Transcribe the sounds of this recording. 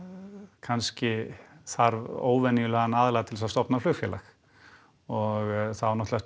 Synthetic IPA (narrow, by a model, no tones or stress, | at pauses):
kʰanscɪθaɾvo̰ːwvɛnːɪjʏlɛɣanaːðlaɣat̪ʰɪlɛsst̪ɔpnaflʏxfjɛlax | ɔɣθaðvaɾnɔht̪laɛst̪